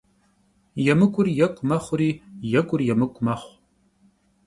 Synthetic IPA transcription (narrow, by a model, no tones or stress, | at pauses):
jɛmɨkʷʼʊrjɐkʷʼʊmɐχʷʊriːjɛkʷʼʊrjɛmɨkʷʼʊmɐχʷ